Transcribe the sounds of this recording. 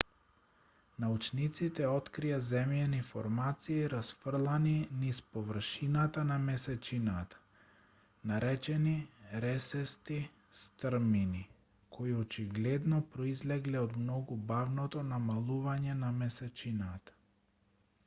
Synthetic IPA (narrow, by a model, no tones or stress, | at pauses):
naut͡ʃnit̪sit̪ɛɔt̪kɾijazɛmjɛnifɔɾmat̪siːɾasfrlˠaninispɔvr̩ʃinat̪anamɛsɛt͡ʃinat̪ḁ | naɾɛt͡ʃɛniɾɛsɛst̪i | st̪ɾmini | kʰoiɔt͡ʃiɡlɛd̪nɔpɾɔizlɛɡlɛɔd̪mnɔɡubavnɔt̪ɔnamalˠuvaɲɛnamɛsɛt͡ʃinat̪ḁ